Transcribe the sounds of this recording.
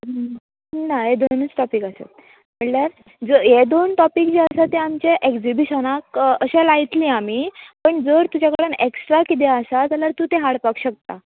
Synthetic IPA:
naɦed̪onnət͡sʈɔpiːkasa̰t̪̚ | m̤əɭljaɾ | d͡zəjed̪onʈ̪ɔpiːk̚d͡ʑiəsat̪eamt͡ɕeʔekd͡zibiɕənakəɕelait̪liːamipəɳd͡zəɾt̪ud͡ʑakəɽəneksʈɾakit̪̬eəsat̪alaɾt̪uːt̪eɦaɽpakɕək̚t̪a

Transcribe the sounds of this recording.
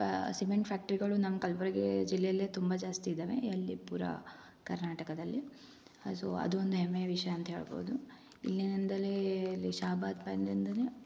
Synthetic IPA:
simeɳʈpʰaːk̚ʈɐɾiɡɐɭunɐmɐkɐlʋɐɾɐɡed͡ʒilːɛjɐlːeːt̪umbɐd͡ʒaːst̪iːd̪eːʋḛɐlːipuːɾɐ̰ | kɐɾnaːʈɐkɐd̪ɐlːi | so̰ːɐ̰d̪uond̪uɦɛmːejɐʋiʂɐjɐːnt̪ɐɦe̞ːɭbo̰ːud̪u | ilːinind̪ɐleɐlːiʃaːbaːt̪̚bɐnd̪ind̪ɐne

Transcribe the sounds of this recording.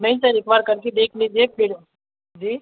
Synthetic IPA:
nɐɦĩsɐɾɪːkbaːɾkɐɾked̪eːkʰlid͡ʒiepeːɽo | d͡ʒiː

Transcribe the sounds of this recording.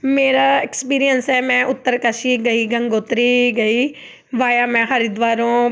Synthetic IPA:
meːɾaekspiːɾijənsɛmɛ̃ːʔʊt̪ːəɾkəʃiɡɐiɡɐ̃ŋɡoːt̪ɾiɡɐiː | ʋaːjamɛ̃ːɦɐɾid̪ʋaːɾõː

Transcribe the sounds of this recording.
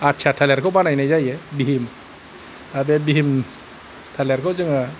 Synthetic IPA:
atːt͡ʃʰatʰalɛɾkʰobanajnajd͡ʒajjɛbiɦim | abɛbiɦim | tʰalaɾkʰod͡ʒɯŋa

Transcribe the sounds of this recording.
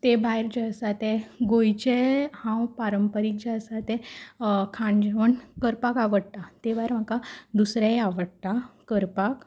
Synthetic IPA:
t̪ebajɾd͡ʑeəsat̪eɡojt͡ɕehãwpaɾəmpəɾik̚d͡ʑaəsat̪e | kʰãɳd͡ʑʋəɳkəɾpakaʋəɽt̪at̪ebajɾm̤əkad̪usɾeaʋəɽt̪akəɾpak

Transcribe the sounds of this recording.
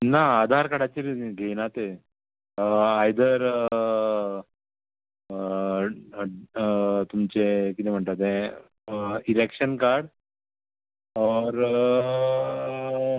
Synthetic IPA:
naad̪ʱaɾkəɽat͡ɕiɾɡʱenat̪e | ajd̪əɾ | t̪umt͡ɕekit̪ɛm̤əɳt̪at̪ẽ | iɾekɕənkaɾɽ | ɔɾ

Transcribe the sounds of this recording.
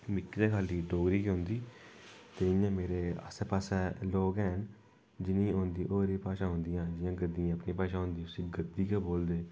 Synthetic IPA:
mɪkːt̪eːkʰaːliːɖoːɡɾiːkɦõːnd̪iːt̪eːɪjãːmeːɾeːə̰seːpaːsɛːloːkɛːn | d͡ʒɪnĩːõːnd̪iːʔoːɾiːpaːʃãːɦʊ̃nd̪ɪjãːd͡ʒɪjãːɡəd̪iãːəpnĩːpaːʃãːɦʊ̃ːnd̪iːʊsĩːɡəd̪ːiːkɛːboːld̪eː

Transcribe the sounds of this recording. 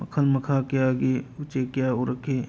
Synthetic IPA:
məkʰəlməkʰakeaːɡeʊt͡ʃekjaːoɾəkʰeː

